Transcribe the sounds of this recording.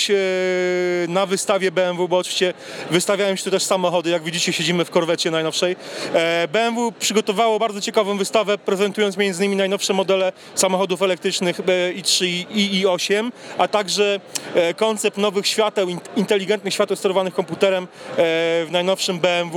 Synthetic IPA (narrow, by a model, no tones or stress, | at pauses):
navɘst̪avʲjɛbɛɛnvubɔːtvʲit͡ɕɛ | vɘst̪avʲawɛɔmɕɛ̥t̪ut̪ɛʂsamɔxɔd̪ɘjaɡvʲed͡ʑit͡ɕɛɕed͡ʑimɘfkɔɾvɛt͡ɕjɛnajnɔfʂɛj | bɛɛnvupʂɘɡɔt̪ɔvawɔbaɾd̪zɔt͡ɕɛkavɔ̃w̃vɘst̪avɛpɾɛzɛnt̪ujɔnt̪mʲend̪ɲimʲinajnɔfʂɛmɔd̪ɛlɛ | samɔxɔd̪ufɛlɛk̚t̪ɾɘt͡ʂnɘxbɛitʂiiɔɕɛmat̪aɡʐɛkɔnt̪sɛpnɔvɘxɕfʲjat̪ɛwint̪ɛlʲiɡɛnt̪nɘxɕfʲat̪ɛwst̪ɛɾɔvanɘxkɔmput̪ɛɾɛm | vnajnɔfʂɘmbɛɛnvu